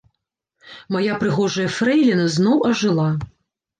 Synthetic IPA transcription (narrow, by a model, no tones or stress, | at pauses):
majapɾɨɣɔʐɐjɐfɾɛjlʲinɐznɔwʔɐʐɨlˠa